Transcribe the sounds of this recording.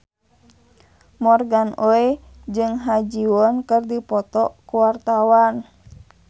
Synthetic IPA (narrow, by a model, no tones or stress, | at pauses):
mɔrɡanoe | d͡ʒɨŋɦad͡ʒiɔnkɨrdipɔt̪ɔkuwart̪awan